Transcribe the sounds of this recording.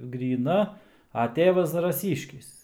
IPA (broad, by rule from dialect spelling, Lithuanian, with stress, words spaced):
ɡrʲiːˈnɐ ɐ ˈtʲeːʋɐs zɐrɐˈsʲiːʃʲkʲɪs